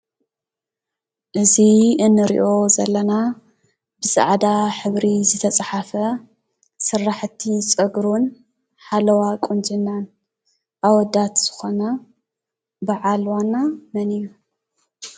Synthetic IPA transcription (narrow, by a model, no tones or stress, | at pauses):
ʔɨziɨnːɨɾḭʔo̞zɐlːɐna | bɨsʼa̰ʕd̪aħɨβɾizɨt̪ʰɐt͡sʼħafɐ | sɨrːaħt̪ʰːit͡sʼɨɡɾun | ħalɐwakʼund͡ʒʼɨnːan | ʔawɔd̪ːat̪z̥ɨxona | baʕalwanːamɐniju